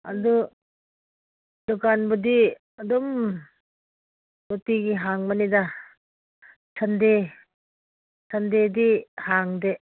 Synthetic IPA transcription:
a̰du | dɔkanbudi | adɔm | dotiɡiɦaŋmanida | sʰande | sʰandedihaŋde

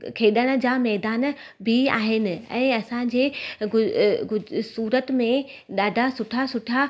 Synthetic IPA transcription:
kʰeːɗəɽ̃̆d͡ʑaːmɛːd̪aːn | bʱɪa̰ːɦɪnɪ̆ɛ̰̃ːɐsãd͡ʑeːɡʊɡʊsuːɾət̪mẽ | ɗaːɖʱasʊʈʰasʊʈʰa

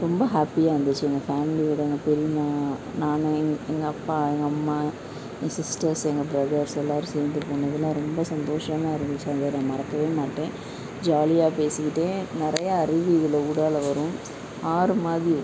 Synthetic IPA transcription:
ɾɔmbɐɦaːpːijaːɐnd̪ɯt͡ʃːɯɛŋɡɐfaːmɪliʋɪɽɐɛŋɡɐpɛɾɪmaːnaːnŋɡɛŋɡɐɐpːaːɛŋɡɐɐmːaː | sɪsʈɐɾsɛŋɡɐbɾɐðɐɾsɛlːaːɾɯseːnd̪ɯpoːɳːɐðɪlãːɾɔmbɐsɐnd̪oːʂɐmãːɐɾɪʋɪt͡ʃːaɐnd̪ɐnãːmɐɾɐkːɐʋeːmaːʈːẽː | d͡ʒaːlɪjaːpeːsɯkːɪʈːẽːnɪɾɐjɐɐɾɪʋiɣɐlɐuɽaːlɐʋɐɾʊ̃ | aːɾɯmaːðɾi

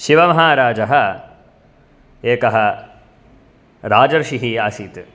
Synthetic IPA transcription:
ʃiʋɐmɐɦaːɾaːd͡ʒɐɦɐ | eːkɐɦɐ | ɾaːd͡ʒɐɾʃiɦiaːsiːt̪

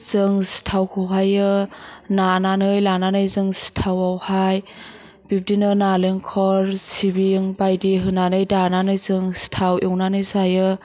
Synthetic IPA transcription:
z̥ɯŋsi̥tʰawkʰɯwɦajɯnananɯjlananɯjzɯŋsi̥tʰawawhaj | b̥ip̚dinɯnaleŋkʰɔɾsibiŋbajdiɦɯnanɯjdananɯjzɯŋstʰawiwnanɯjzajɯ

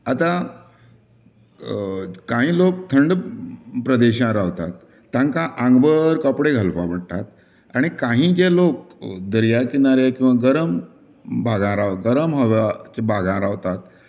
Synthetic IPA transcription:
at̪ã | kãɦĩːlok̚t̪ʰəɳɖpɾəd̪eɕãɾaʋt̪at̪ː | ãŋkãʔãŋɡbəɾkəpɽeɡʱəlpapəɽt̪at̪ | aɽ̃ikãɦĩːd͡ʑelok̚d̪əɾjakinaɾekĩw̃ʋaɡəɾəm | bʱaɡãɾaɡəɾəmɦəʋat͡ɕebʱaɡãɾaʋt̪at̪̚

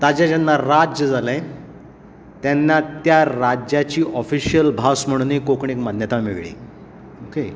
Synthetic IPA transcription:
t̪ad͡ʑad͡ʑanːaɾad͡ʑjəd͡zalə̃j | t̪janːat̪jaɾad͡ʑjat͡ɕiːʔɔfiɕijəlbʱasm̤əɽ̃nikokɳekmanjət̪ameɡɭḭː | oke

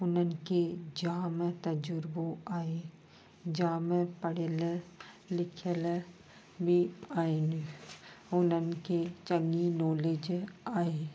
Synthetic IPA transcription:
ʊnənked͡ʒaːmt̪əd͡ʒʊɾboaːe | d͡ʒaːmpəɽelə | lɪkʰel | bʱiaːeni | ʊnənket͡ʃəŋɡinɔːleːd͡ʒaːe

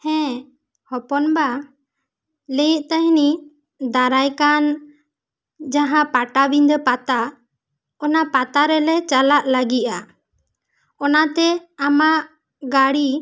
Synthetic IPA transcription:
hɛ̃ | hɔpɔnba | lejiʔt̪əɦni | d̪aɾajkan | d͡ʒaɦãpaʈabiɲd̪ɔpat̪a | ɔnapat̪aɾɛlɛt͡ʃalaʔlaɡiʔa | ɔnat̪ɛamaʔ | ɡaɽi

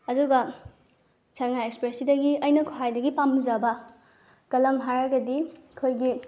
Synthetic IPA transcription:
ɐduɡɐ | sʰaŋajekspɾesidɐɡiɐjnɐkʰoɦajdɐɡipamzɐbɐ | kɐlɐmɦaɾɐɡɐdikʰojɡi

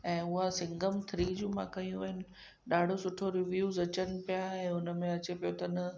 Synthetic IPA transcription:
ɛ̃ːʊɦasɪ̃ŋɡəmt̪ʰɾiːd͡ʑũːmãkɐjũʋɐɦɪnɪ̆ | ɗaːɖʱosʊʈʰoɾɪʋjuːzɐt͡ɕənɪ̆pijaɛ̃ːʊnə̆mẽɐt͡ɕepijot̪ɐnɐ

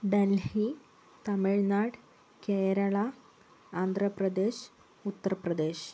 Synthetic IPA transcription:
ɖəlhi | t̪amiɭnaɽ | kejɾəɭaː | nd̪ʱɾəpɾəd̪eɕ | ut̪ːəɾpɾəd̪eɕ

